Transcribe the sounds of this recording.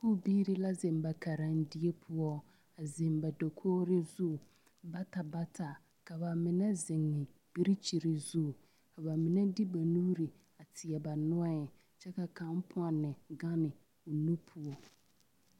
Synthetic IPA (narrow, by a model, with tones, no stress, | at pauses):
kuː˦˨biː˦ɾɪ˦la˦zɪ˨mba˨kʰa˨ɾa˨n˦dɪ˦e˦pʰʊ˦ɔ˦ | a˨zɪ˨mba˨do˨kʰoː˦ɾɪ˦zu˦˨ | ba˦ta˨ba˦tʰa˨ | ka˨ba˨mɪ˨nɛ˦zɪ˨ŋːɪ˨b̥i˦ɾi˦t͡ʃi˨ɾɪ˨zu˦˨ | ka˨ba˨mɪ˨nɛ˦di˦ba˨nuː˦ɾi˨ | a˨tʰɪ˨ɛ˨ba˨nʊ˦a˦ɛ˨ | t͡ʃɛ˦ka˨kã˦m˦pʰʊ˦a˨nɪ˨ɡa˦nɪ˨ | o˨nũ˦pʰʊ˦ɔ˨